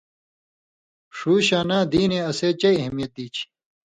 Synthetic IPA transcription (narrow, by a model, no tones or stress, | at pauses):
ʂuːɕaːnãːd̪iːneɐseːt͡ɕɐiɐɦmijɐt̪̚d̪iːt͡ɕʰi̥